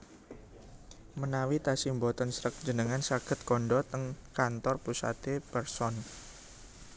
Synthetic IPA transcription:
mənawit̪asimbɔt̪ɔnsɾək̚d͡ʒə̤nəŋansaɡ̥ə̤t̪̚kɔɳɖɔt̪əŋkant̪ɔrpusa̰t̪epərsɔn

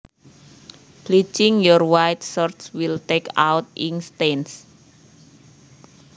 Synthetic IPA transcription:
plit͡ʃɪŋjɔrwajt̪̚sɔrt̪swilt̪eka̰wt̪̚ʔinst̪ens

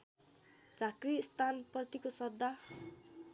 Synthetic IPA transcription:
d͡zakrist̪ʰanprʌt̪ikosʌd̪ːa

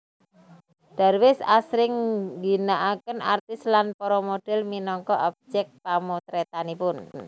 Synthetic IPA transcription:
d̥a̤rwɪsa̰sɾɪŋɡinaʔakənart̪ɪslanpɔɾɔmoɖ̥ɛlminɔŋkɔʔab̚d͡ʒɛk̪̚pamot̪ɾet̪anipʊn

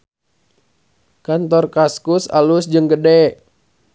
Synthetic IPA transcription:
kant̪ɔrkaskusa̰lusd͡ʒɨŋɡədɛ

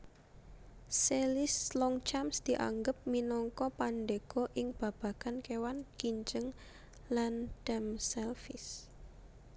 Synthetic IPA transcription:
selɪslɔŋt͡ʃamsd̪̥i̤ʔa̰ŋɡəp̚minɔŋkɔpaɳɖeɡ̥ɔ̤ʔɪŋb̥a̤b̥a̤ɡ̥ankewankiɲd͡ʒəŋ | lanɖ̥ɛmsɛlfɪs

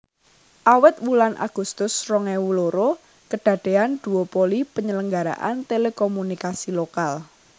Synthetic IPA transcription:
ʔawɪt̪̚wulanʔa̰ɡ̥ṳst̪ʊsrɔŋɛwuloɾo | kəɖ̥ä̤ɖ̥e̤and̪̥ṳopolipəɲələŋɡaɾa̰ʔa̰nt̪elekɔmunikasilokal

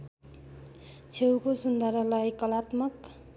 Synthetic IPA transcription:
t͡sʰewkosund̪ʌɾʌlajkʌlat̪mʌk

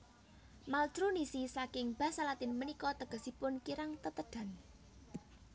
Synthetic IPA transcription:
maltɾunisisakɪŋb̥a̤salat̪ɪnmənikɔt̪əɡ̥ə̤sipʊnkiɾaŋt̪ət̪əɖ̥ä̤n

